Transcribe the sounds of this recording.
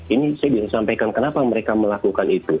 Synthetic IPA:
inisajabisasampajkankənapajŋməɾekaməlakukanit̪u

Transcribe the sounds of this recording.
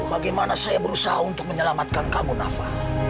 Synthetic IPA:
baɡajmanasajabəɾusaɦaunt̪ʊk̚məɲəlamat̪̚kankamunafa

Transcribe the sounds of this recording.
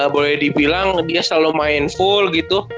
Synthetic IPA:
bolɛhdibilaŋdiasalumaɪnfʊlɡit̪u

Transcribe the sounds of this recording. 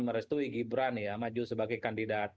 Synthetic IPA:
məɾɛst̪uiɡibɾanjamad͡ʒusəbaɡajkandidat̚

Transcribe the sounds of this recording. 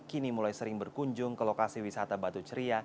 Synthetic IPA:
kinimulajsəɾɪŋbərkuɲd͡ʒʊŋkəlokasiwisat̪abat̪ut͡ʃəɾia

